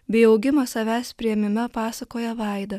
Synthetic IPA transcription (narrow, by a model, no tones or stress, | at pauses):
bʲɛɪɒʊɡʲɪmɐsɐʋʲæːsʲpʲɾʲɪjɛmʲɪmʲɛpɑːsɐkoːjɛʋɑˑɪd̪ɐ